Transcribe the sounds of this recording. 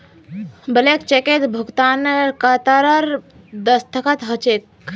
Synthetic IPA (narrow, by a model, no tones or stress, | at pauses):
bəlekt͡ʃeket̪bʱuɡt̪anɾkat̪aɾəɾ | d̪əst̪ʰəkat̪ɦət͡ʃek